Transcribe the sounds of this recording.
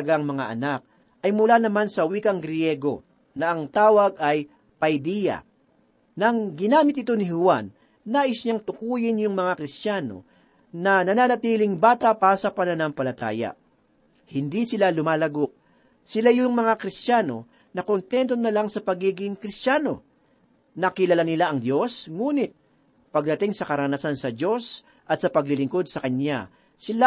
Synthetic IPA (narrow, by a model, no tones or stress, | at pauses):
ɐɡaŋmɐŋa̰ʔɐ̰nak̚ | ʔɐjmʊlaːnɐmansɐwiːkɐŋɡɾjɛɡo̞̰ | nɐʔɐŋt̪aːwɐɡɐj | pɐjd̪ijɐ̰ | nɐŋɡɪnaːmɪt̪ʔɪt̪o̞nɪɦʊwanː | aːʔɪsɲaŋt̪ʊkuːjɪnjʊŋmɐŋakɾɪst̪jaːno̞̰ | nɐnɐnaːnɐt̪iːlɪŋbaːt̪ɐpaːɾsɐpɐnɐnampɐlɐt̪a̰ːjɐ̰ | hɪnd̪isɪlalʊmaːlɐɡoʔ̚ | sɪlajʊŋmɐŋakɾɪst̪jaːno̞ | nɐkont̪ɛnt̪̬o̞nɐlaŋsɐpɐɡiːɡɪŋkɾɪst̪jaːno̞̰ | nɐkɪlɐlanɪlaʔɐŋd̪jo̞sŋuːnɪt̪̚ | pɐɡ̚d̪ɐt̪ɪŋsɐkɐɾɐnasansɐd̪jo̞s | ʔɐt̪sɐpɐɡlɪlɪŋko̞d̪̚sɐkɐɲa̰ | sɪla